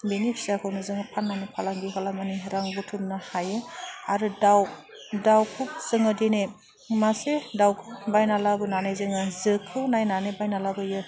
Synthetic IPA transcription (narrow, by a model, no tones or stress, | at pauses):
benipʰizakʰɯwnɯzɯŋɯpʰanːanipʰalaŋɡiɦalamaniɾaŋbutʰumnahajɯaɾɯdaw | dawkʰuk̚z̥ɯŋɯdene | masedawkʰɯbajnalabɯnanajzɯŋɯzɯkʰːɯnajnanebajnalabɯjɯ